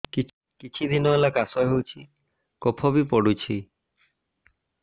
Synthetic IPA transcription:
ki | kit͡ʃʰid̪inɔelakasɔɦewt͡ʃʰi | kopʰɔbipɔɽut͡ʃʰi

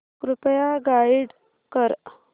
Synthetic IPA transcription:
kɾupjaɡaiɽ | kəɾ

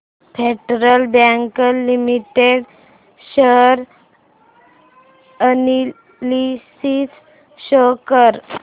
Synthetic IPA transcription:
fʰeʈɾəlbaŋkəlːimiʈeɽ | ɕəɾ | ani | lisit͡s | ɕɔkəɾ

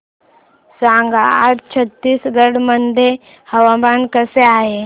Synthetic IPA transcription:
sãŋɡaatt͡ɕʰət̪ːiːsɡəɽmənd̪ʱe | həʋamankəseaɦe

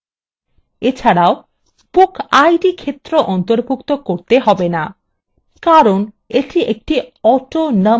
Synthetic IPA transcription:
et͡ɕʰaɽao | pokajɖikʰet̪ːɾoʔɔnt̪oɾbʱukt̪okoɾt̪eɦɔbena | kaɾon | eʈiʔek̚ʈiɔʈonə

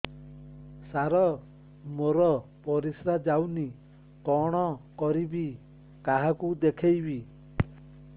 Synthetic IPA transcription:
saɾɔ | moɾɔpɔɾisɾad͡ʒawni | kɔɽ̃ɔkɔɾibi | kaɦakud̪ekʰejbi

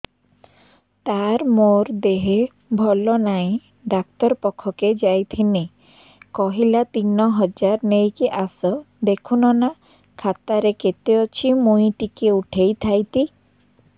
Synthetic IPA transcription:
t̪aɾmoɾd̪eɦe | bʱɔlɔnaẽ | ɖak̚t̪ɔɾpɔkʰːɔked͡ʒajt̪ʰine | kɔɦilat̪inɔɦɔd͡ʒaɾnejkiʔasɔ | d̪ekʰunɔna | kʰat̪aɾeket̪eɔt͡ʃʰimuĩʈikeuʈʰejt̪ʰajt̪i

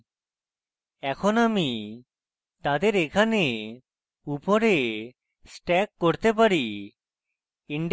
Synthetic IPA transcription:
ɛkʰonami | t̪ad̪eɾekʰane | upoɾe | sʈɛkːoɾt̪ep̬aɾi | iɳɖ

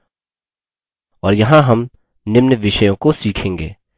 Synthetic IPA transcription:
ɔːɾjɐɦãɦɐm | nɪmnəʋɪʃəjõkosiːkʰẽːŋɡḛː

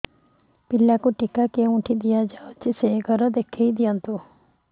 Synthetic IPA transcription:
pɪlakuʈɪkakeũʈʰid̪ijad͡ʒaot͡ʃiseɡʱəɾɔd̪ekʰːeid̪ijãnt̪u

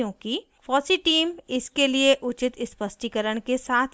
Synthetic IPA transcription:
jõki | pɔːsiʈiːmɪskelieʔʊt͡ʃɪt̪ɪspəsʈikəɾəɽ̃kesaːt̪ʰ

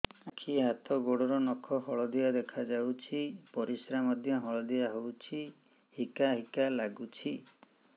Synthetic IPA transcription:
akʰiɦat̪ɔɡoɽɔɾɔnɔkʰɔɦɔɭɔd̪ijad̪ekʰad͡ʒawt͡ʃʰipɔɾisɾamɔd̪ʱjɔɦɔɭɔd̪ijaɦowt͡ʃʰi | hikaɦikalaɡut͡ʃʰi

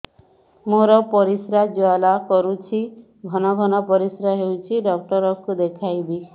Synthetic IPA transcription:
moɾɔpɔɾisɾad͡ʒoalakɔɾut͡ʃʰi | ɡʱɔnɔɡʱɔnɔpɔɾisɾaɦewt͡ʃʰiɖɔk̚ʈɔɾɔkud̪ekʰajbi

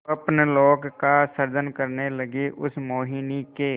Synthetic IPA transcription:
əpnloːkkasəɾd͡ʒənkəɾneləɡiʔʊsmoːɦinikeː

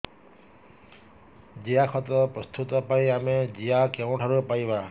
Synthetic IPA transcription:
d͡ʒijakʰɔt̪ɾɔpɾɔst̪ut̪ɔpaiamed͡ʒijakɛw̃ʈʰaɾupajba

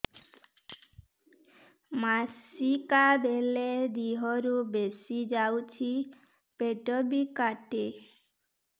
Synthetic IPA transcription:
masikabeled̪iɦɔɾubesid͡ʒawt͡ʃʰi | peʈɔbikaʈe

